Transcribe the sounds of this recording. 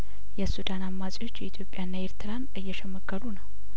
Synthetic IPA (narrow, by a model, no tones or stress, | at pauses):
jɛsud̪anamːasʼiwo̞t͡ʃːjɛit̪ʰjo̞pʼjanːaeɾt̪ʰɨɾanɨjːɛʃɛmːəɡːəlunəw